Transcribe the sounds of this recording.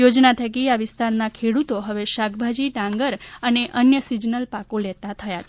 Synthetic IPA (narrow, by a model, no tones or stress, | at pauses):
jod͡ʒnat̪ʰəkiaʋɪst̪aɾnakʰeɽut̪oɦəʋeʃakbʱad͡ʒiɖãŋɡəɾəneʔənjəsid͡ʒnəlpakolet̪at̪ʰəjat͡ʃʰe